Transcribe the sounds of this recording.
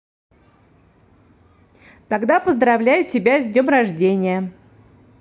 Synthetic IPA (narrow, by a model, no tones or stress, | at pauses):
t̪ɐɡd̪apəzd̪ɾɐvlʲæjʊtʲɪbʲazʲdʲnʲo̞mrɐʐdʲenʲɪjə